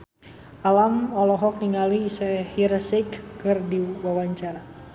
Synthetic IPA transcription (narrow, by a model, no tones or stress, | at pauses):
ʔalamɔlɔɦɔk̚niŋaliːsɛhiɾsikːɨrdiwawaɲt͡ʃaɾa